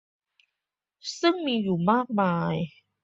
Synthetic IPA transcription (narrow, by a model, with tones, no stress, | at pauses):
sɯ˥˩ŋmiː˧juː˨˩maː˥˩k̚maː˧j